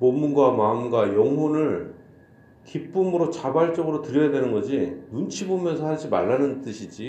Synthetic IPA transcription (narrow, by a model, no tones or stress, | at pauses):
momːunɡwamaɯmɡwajʌŋɦwonɯɭ | kip͈ɯmɯɾot͡ɕabaɭt͡ɕ͈ʌɡɯɾotɯɾjʌjadwe̞nɯnɡʌd͡ʑinunt͡ɕʰibomjʌnsʰʌhaɭd͡ʑima̰ɭːanɯnt͈ɯɕʰid͡ʑi